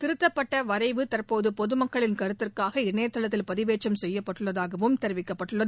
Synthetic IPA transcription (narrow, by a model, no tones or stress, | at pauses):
t̪ɪɾɯt̪ːɐpːɐʈːɐʋɐɾɐɪʋɯt̪ɐrpoːðɯpɔðɯmɐkːɐɭɪnkɐɾɯt̪ːɪrkaːɣɐɪnːeːɐt̪ːɐɭɐt̪ːɪlpɐðɪʋeːt͡ʃːɐmsɛjːɐpːɐʈːɯɭːɐðaːɣɐʋɯmt̪ɛɾɯʋɪkːɐpːɐʈːɯɭːɐ